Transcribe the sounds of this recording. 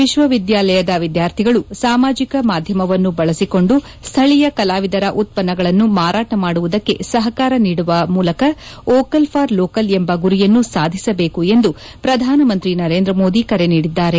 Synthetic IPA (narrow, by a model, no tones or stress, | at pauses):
ʋiʃʋɐʋid̪jaːlɐjɐd̪ɐʋid̪jaːɾt̪ʰiɡɐɭusaːmaːd͡ʒikɐmaːd̪ʱjɐmɐʋɐnːubɐɭɐsiko̞ɳɖu | st̪ʰɐɭijɐkɐlaːʋid̪ɐɾɐʔut̪̚pɐnːɐɡɐɭɐnːumaːɾaːʈɐmaːɽuʋud̪ɐkːe̞̰sɐɦɐkaːɾɐniːɽuʋɐmuːlɐkɐɔːkɐlpʰaːɾloːkɐlembɐɡuɾijɐnːusaːd̪ʱisɐbe̞ːkue̞nd̪u | pɾɐd̪ʱaːnɐmɐnt̪ɾinɐɾe̞ːnd̪ɾɐmo̞ːd̪ikɐɾe̞niːɽid̪ːaːɾe̞